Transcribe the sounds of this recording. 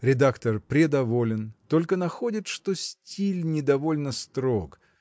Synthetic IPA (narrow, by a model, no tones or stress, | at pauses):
ɾʲɪd̪akt̪ərpɾʲɪd̪ɐvo̞lʲɪnt̪o̞lʲkənɐxo̞dʲɪt̪ʂt̪osʲtʲilʲnʲɪd̪ɐvo̞lʲnəst̪ɾok